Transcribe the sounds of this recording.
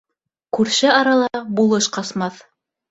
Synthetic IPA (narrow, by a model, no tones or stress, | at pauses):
kʉɾʃɘɑɾɑlˠɑbulˠɤʃqɑsmɑθ